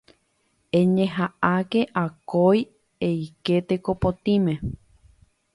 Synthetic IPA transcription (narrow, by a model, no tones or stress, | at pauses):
ẽɲẽɦaake̞ʔakoj | eiket̪ekopot̪ĩmẽ